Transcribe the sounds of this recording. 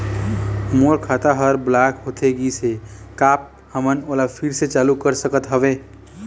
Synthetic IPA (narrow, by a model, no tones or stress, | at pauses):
moɾkʰaːt̪aɦəɾblakɦot̪ʰeɡisekaːp̚ | həmənoːlapʰiɾset͡ʃaːlukəɾsəkət̪ɦəʋe